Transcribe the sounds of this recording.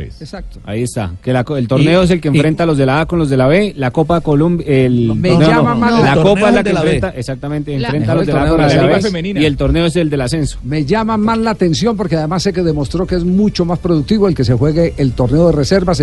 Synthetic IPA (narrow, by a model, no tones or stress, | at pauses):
esak̚t̪o̥a̰iest̪a̰kelakoelt̪o̞ɾneoes̬elkeɱfɾe̞nt̪alo̞zðe̞laakonlo̞zðe̞laβelako̞pakolumelmeneamaalakopaezlakefɾent̪aesak̚t̪amẽnt̪eːmfɾenfaloðelaaonoemeninielt̪o̞ɾne̞oes̬eld̪e̞lase̞nso̥me̞ʝamamazlaːt̪e̞nsjo̞mp̬o̞ɾkeaðe̞masːe̞ke̞ðe̞mo̞st̪ɾo̞keezmut͡ʃo̞maspɾoðuk̚t̪iβo̞elke̞sexwe̞ɣeʔːlt̪o̞ɾneoðerese̞ɾβas